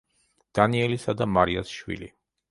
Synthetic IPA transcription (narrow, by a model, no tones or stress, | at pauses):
d̪̥aniɛlisad̪amaɾiasʃwḭlḭ